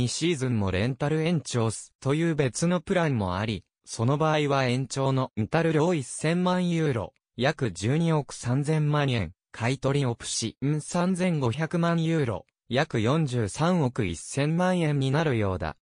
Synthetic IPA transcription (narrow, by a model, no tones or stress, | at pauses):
ɲiɕiːzɨ̃mmo̞ɾẽ̞nt̪aɾɯ̟ẽ̞ɲt͡ɕo̞ːsɨ̥t̪o̞jɯ̟ːbe̞t͡sɨno̞pɯ̟ɾaɲmo̞̰a̰ɾʲi | so̞no̞baːiβaẽ̞ɲ̟t͡ɕo̞ːno̞it̪aɾɯ̟ɾʲjoːisːẽ̞mmãɰ̃jɯ̟ːɾo̞̰ | jakɯ̟d͡ʑɨːɲ̟io̞kɯ̟̥sãnd͡zẽ̞mmãɰ̃ẽ̞̰ŋ | kʰait̪o̞ɾʲio̞pɯ̟̥ɕĩsãnd͡zẽ̞ŋɡo̞çakɯ̟mãɰ̃jɯ̟ːɾo̞̰ | jakɯ̟jõ̞ɲ̟d͡ʑɨːsãɰ̃o̞kɯ̟ḭsːẽ̞mmãɰ̃ẽ̞ɲ̟ɲːinaɾɯ̟jo̞ːd̪a̰